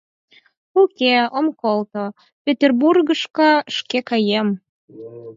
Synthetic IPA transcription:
ukʲeomkolt̪o | pʲet̪ʲerburɣəʃkɤ̆əʃkekɑjem

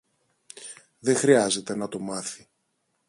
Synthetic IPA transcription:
ðe̞xɾiɐze̞t̪e̞nɐt̪o̞mɐθi̥

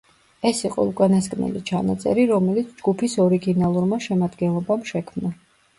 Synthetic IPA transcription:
ɛsiqʼɔ̰ukʼanaskʼnɛ̰lḭt͡ʃʰanat̪sʼɛ̰ɾiɾɔmɛlit̪sʰd͡ʒɡupʰisɔɾiɡinalˠuɾmaʃɛmad̪ɡɛnlˠɔbamʃɛkʰmna

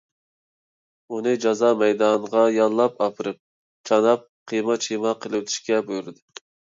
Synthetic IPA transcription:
unɨd͡ʒɑzɑːmɛjd̪ɑnʁɑjɑnˠlːˠɑpɑpʰɨɾɨp̚ | t͡ʃʰɑnɑp̚qʰijmɑt͡ʃʰimɑqʰəlˠɨwt̪ʰy̥ʃkʲɛbujuɾɨd̪u

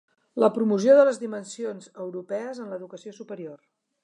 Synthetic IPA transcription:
ləpɾumus̬ioðələzðimənsionzəwɾupɛəzənləðukəsiosupəɾior

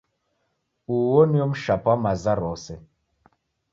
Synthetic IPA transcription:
uwɔniɔm̩ʃapamazaɾɔsɛ

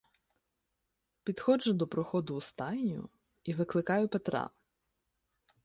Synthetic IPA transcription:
pʲid̪xɔd͡ʒʊd̪ɔpɾɔxɔd̪ʊːst̪ɑjnʲʊ̰ | iʋɪklˠɪkɑjʊpet̪ɾɑ̰

